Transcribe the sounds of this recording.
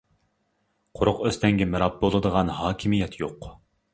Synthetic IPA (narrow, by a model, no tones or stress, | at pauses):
qʰʊɾʊqøst̪ʰɛŋɡʲɛmɪɾɑp̚bolˠɨd̪əʁɑnɦɑːkʲʰimijɛt̪ʰjoq